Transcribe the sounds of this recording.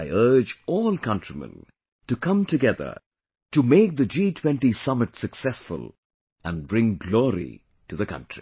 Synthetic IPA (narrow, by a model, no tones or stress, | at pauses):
aɪɜ˞d͡ʒɔlˠkʰʌ̃ntɹ̥imə̰̃n | tɨkʰʌ̃mtɨɡɛðə̰˞ | tɨmeɪk̚ðɨd͡ʒiːtʰw̥ɛ̃ntisʌmɨtsɨksɛsfʊ̰lˠ | ə̃nbɹɪ̃ŋɡlɔɹḭ | tɨðɨkʌ̰̃ntɹ̥ḭ